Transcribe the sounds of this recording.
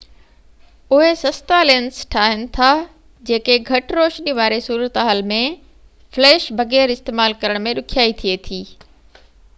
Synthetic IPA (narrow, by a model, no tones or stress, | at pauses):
ʊɦesɐst̪aleːnsʈʰaːɦɪnɪ̆t̪ʰa | d͡ʑeːkeɡʱɐʈɾoːʃniʋaːɾesuːɾət̪ɦaːlmẽ | flɛːʃbʱɐɣɛːɾɪst̪eːmaːlkɐɾəɽ̃mẽɗʊkʰijaːit̪ʰiet̪ʰiː